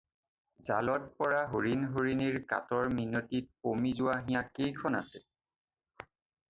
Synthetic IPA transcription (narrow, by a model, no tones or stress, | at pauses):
za̰lɔt̚pɔɹaɦoɹinɦoɹiniɹka̰tɔɹminotit̚pomizʊwaɦijãkejkʰɔna̰sɛ